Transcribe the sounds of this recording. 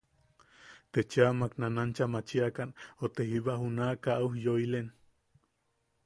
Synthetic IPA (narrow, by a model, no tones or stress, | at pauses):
t̪et͡ʃamaknanant͡ʃamat͡ʃiakanot̪eɦiβahunaʔkaʔauhjoilen